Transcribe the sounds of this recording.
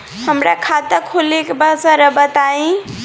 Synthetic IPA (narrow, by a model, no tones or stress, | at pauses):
həmɾakʰat̪əkʰolekebʱəsaɾəbət̪aĩ